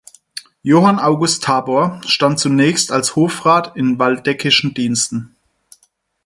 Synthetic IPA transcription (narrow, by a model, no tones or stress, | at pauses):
joːhanaʊɡʊstʰːaːboɐʃtant̚t͡sunɛːçstalshoːfʁaːtɪnvaldɛkʰɪʃn̩diːnstn̩